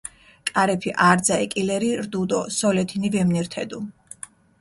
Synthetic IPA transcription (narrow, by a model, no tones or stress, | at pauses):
kʼaɾɛpʰiʔaɾd̪zaɛkʼilɛɾiɾd̪ud̪ɔsɔlɛt̪ʰinivɛmniɾt̪ʰɛd̪u